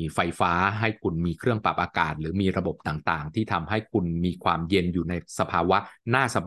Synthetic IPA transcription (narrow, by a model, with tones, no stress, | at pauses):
fa˧jfaː˦˥ɦa˥˩jkʰu˧nmiː˧kʰɾɯ˥˩əŋpa˨˩p̚ʔaː˧kaː˨˩t̪̚ɾɯː˩˦miː˧ɾa˧bo˨˩p̚t̪aː˨˩ŋt̪aː˨˩ŋt̪ʰiː˥˩t̪ʰa˧mɦa˥˩jkʰu˧nmiː˧kʰwaː˧mje˧njuː˨˩na˧jsa˧pʰaː˧wa˦˥naː˥˩sa˧b